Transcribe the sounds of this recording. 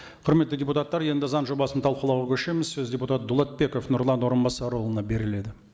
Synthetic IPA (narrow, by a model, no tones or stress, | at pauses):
qʰʊɾme̞t̪ːɪdʲeput̪ɑt̪ːɑɾje̞nd̪ɪzɑnʒo̞bɑsənt̪ʰɑlˠqəlˠɑwʁɑkʲʰɵʃe̞mɪzsɵzd̪ʲeput̪ɑt̪̚d̪ulˠɑt̪̚be̞ko̞fnʊɾlˠɑnwo̞ɾənbɑsɑɾo̞lˠənɑbe̞ɾɪle̞d̪ɪ